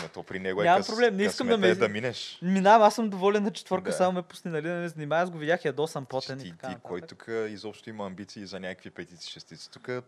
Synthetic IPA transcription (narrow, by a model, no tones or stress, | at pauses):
not̪ɔpɾinɛɡoɛɲʲamɐmpɾoblɛmnɛiskəmd̪ɐmɛd̪ɐminɛʃminaɐmasːəmd̪ovɔlɛnːɐt͡ʃɛ̥t̪vɔɾkəsamomɛpu̥sninɐlid̪nɛmɛzɐnimajəsɡovidʲjaxiɐd̪ɔsampɔt̪ɛniɐtk̪aitkaɔjtt̪ːukʰəizɔpʃt̪oimɐɐmbit̪siiːzɐnʲakəkvipɛt̪it̪si̥ʃɛst̪it̪si̥t̪ukə